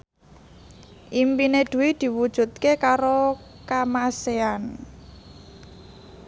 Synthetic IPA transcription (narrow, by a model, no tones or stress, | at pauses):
ʔimpined̪̥ṳwid̪̥i̤wud̥ʒ̥ṳt̪̚kekaɾo | kamasean